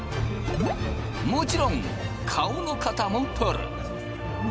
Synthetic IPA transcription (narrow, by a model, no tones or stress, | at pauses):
mut͡ʃiɾɔŋ | kʰawnokʰat̪ʰamɔŋpʰɯɾ